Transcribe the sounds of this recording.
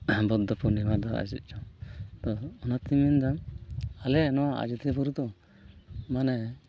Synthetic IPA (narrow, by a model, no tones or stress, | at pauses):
bɔd̪ɔpɔnibad̪ɔa̰d͡ʒḭt̪̚ˀd͡ʒɔt̪ɔɔnat̪imind̪amalɛːnɔa̰d͡ʒut̪ɛbɔɾut̪ɔ | manɛ